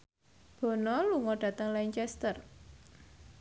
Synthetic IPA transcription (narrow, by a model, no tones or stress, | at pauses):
b̥ɔ̤nɔluŋɔɖ̥ä̤t̪əŋlaɲt͡ʃɛst̪ər